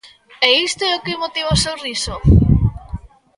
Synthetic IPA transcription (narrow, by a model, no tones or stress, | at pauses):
ɛist̪oɛokɪmot̪iβaosewriso